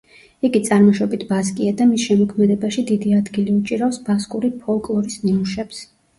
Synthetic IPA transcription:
iɡit̪sʼaɾmɔʃɔbit̪ʰbaskʼiad̪amisʃɛmɔkʰmɛd̪ɛbaʃid̪id̪iad̪ɡiliut͡ʃʼiɾafsbaskʼuɾipʰɔlˠkʼlˠɔɾisnimuʃɛps

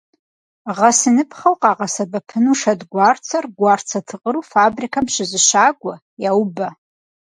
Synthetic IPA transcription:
ʁasɨnɨpʰχawqʼaʁasabapʰɨnuʂadɡʷart͡sʰarɡʷart͡sʰatʰɨqʼəɾufabrikʰamʃʷɪzɨʃaɡʷa | jawba

